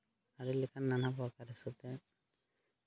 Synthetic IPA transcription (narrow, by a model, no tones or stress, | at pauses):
aɾilɛkanːanapɔakaɾɛsɔt̪ɛ